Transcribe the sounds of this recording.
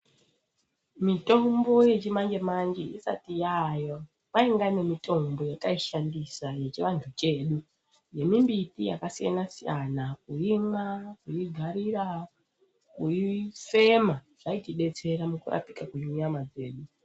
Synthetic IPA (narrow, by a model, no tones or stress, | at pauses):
mito̞mbo̞je̞t͡ʃimaŋɡemaŋd͡ʒeʔḭsa̰tijajo̞ | maiŋɡane̞mito̞mbo̞jakaiʃandisaje̞t͡ʃiʋantʰut͡ʃe̞ːɗu | je̞mimbitija̰kasija̰nasijanakuiŋakuiɡʱaɾira | kuife̞maʐ̥aitiɗe̞t͡se̞ɾamukura̰pi̥kakuɲuɲamad͡ze̞ːɗu